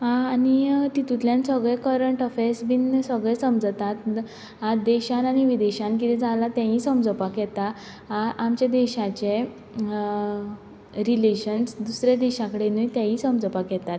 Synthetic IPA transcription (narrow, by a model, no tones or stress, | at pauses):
ɦãanit̪it̪ut̪ljãnsəɡɭekəɾəɳʈɔfesbinsəɡɭɛsəmd͡zət̪at̪ | ɦad̪eɕananiʋid̪eɕãnkit̪ɛ̃d͡zalat̪jãɦĩsəmd͡zəpakjɛt̪a | aʔamt͡ɕad̪eɕat͡ɕe | ɾileɕənsd̪usɾad̪eɕakəɽenujt̪jãɦĩsəmd͡zəpakjɛt̪at̪